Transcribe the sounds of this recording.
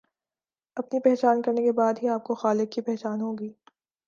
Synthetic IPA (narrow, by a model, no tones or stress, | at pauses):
ɐpnipɛːɦt͡ʃaːnkɐɾnekebaːd̪ɦiaːp̚koxaːlɪkːipɛɦt͡ʃaːnɦoːɡiː